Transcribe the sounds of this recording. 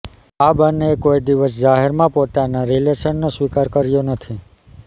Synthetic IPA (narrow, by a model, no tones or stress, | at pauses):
abənekoid̪iʋəs̬d͡ʒaɦeɾmãpot̪anaɾileʃənːõsʋikaɾkəɾjonət̪ʰi